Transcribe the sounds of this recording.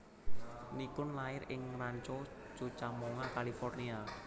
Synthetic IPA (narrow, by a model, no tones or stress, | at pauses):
nikʊnlaɪɾɪŋraɲt͡ʃɔt͡ʃut͡ʃamoŋakalifɔrnia